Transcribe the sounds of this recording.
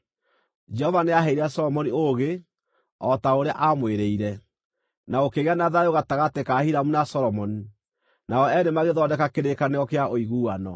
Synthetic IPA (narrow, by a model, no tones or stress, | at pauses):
d͡ʒɛhɔvaneaɦɛiɾasɔɾɔmɔnioɣe | ɔtaoɾeaʔamweɾeiɾɛ | naokeɣeanaðaeoɣataɣatekahiɾamunasɔɾɔmɔni | naɔɛndemaɣeðɔdɛkakeɾekaneɔkeaʔoiɣuːanɔ